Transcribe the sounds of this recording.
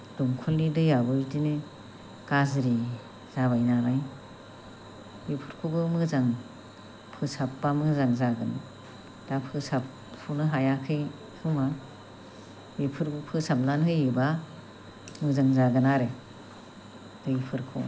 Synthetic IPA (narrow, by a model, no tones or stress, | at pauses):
d̥umkʰuldidɯjabɯjtinɯ | kazɾi | z̥abajnanaj | bepʰɯɾkʰubɯmɯzaŋ | pʰɯsapːamɯzaŋzaɡɯn | d̥apʰɯsap̚ | pʰunɯɦajakʰɯj | hʰuma | bepʰɯɾɡɯpʰɯsamlanɦɯjɯba | mɯzaŋzaɡɯnaɾe | dɯjpʰɯɾkʰṵ